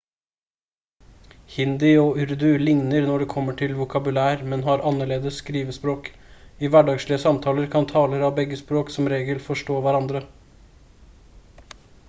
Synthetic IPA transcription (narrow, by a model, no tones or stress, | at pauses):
hɪnd̪ɪɔʉɾd̪ʉlɪŋnəɾnɔɖɛːkʰɔmːəʈʰɪlʋʊkʰɑbʉlæːɾmɛnɦɑɾɑnːəɭeːd̪əsːkɾiːʋəspɾoːk | ɪʋæɖɑːɡʂlɪəsɑmt̪ʰɑːləɾkʰɑnt̪ʰɑːləɾɑʋbɛɡːəspɾoːksɔmɾeːɡəlfɔʂʈoːʋæɾɑnd̪ɾə